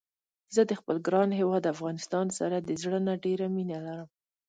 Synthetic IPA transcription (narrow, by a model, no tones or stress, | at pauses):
zəd̪əxpəlɡɾɑnɦewɑd̪afɣɑnɪst̪ɑnsaɾad̪əzɽənaɖeɾaminalaɾəm